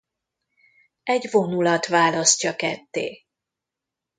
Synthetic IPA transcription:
ɛɟvo̞nulɒt̪ʋaːlɒscɒkɛt̪ːḛː

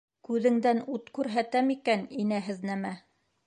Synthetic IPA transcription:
kʉðɘ̆ŋd̪ænut̪kʉɾɦæt̪æmikæninæɦɘ̆ðnæmæ

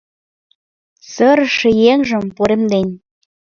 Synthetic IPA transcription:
səɾəʃĕjeŋʒə̆mpoɾemd̪enʲ

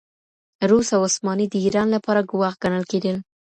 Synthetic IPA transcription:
ɾusawʊsmɑnid̪əiɾɑnlapɑɾaɡʊwaxɡanəlked̪əl

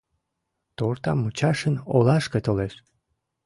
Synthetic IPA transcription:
t̪ort̪ɑmːut͡ɕɑʃənolɑʃket̪oleʃ

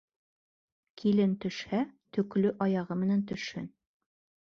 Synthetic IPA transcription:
kʰilɘnt̪ɵ̆ʃhæt̪ɵ̆klɵʔɒjɑʁɤmɘ̆nænt̪ɵ̆ʃhɘ̰n

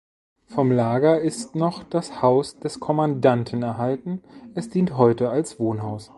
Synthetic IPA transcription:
fɔmlaːɡɐɪstnɔχd̥ashaʊsd̥ɛskʰɔmandantʰn̩ɛɐɦaltn̩ʔɛsd̥iːntɦɔʏtəalsv̥oːnɦaʊs

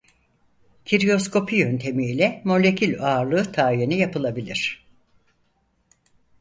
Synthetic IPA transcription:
cʰiɾijo̞skʰo̞pʰijø̞nt̪ʰe̞miːlʲɛmolʲe̞cʰilʲoaːɾlˠɯːt̪ʰaːjenijapʰɯlˠabilʲiɾ̥

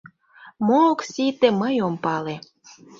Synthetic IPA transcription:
moksit̪eməjompɑle

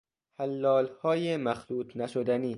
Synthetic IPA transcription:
hælːɒːlhɒːjemæxluːt̪ʰnæʃod̪æniː

